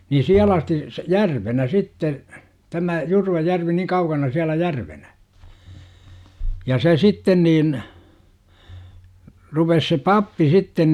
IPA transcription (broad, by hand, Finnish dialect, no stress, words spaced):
ni siæl ɑsti s jærʋenæ sitːe tæmæ jurʋɑjærʋi niŋ kɑukɑnɑ siælæ jærʋenæ jɑ se sitːen niːn rupes se pɑpːi sitːen